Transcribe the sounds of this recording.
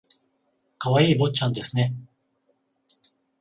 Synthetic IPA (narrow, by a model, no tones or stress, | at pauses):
kaβaiːbo̞t͡ɕãnd̪e̞sɨne̞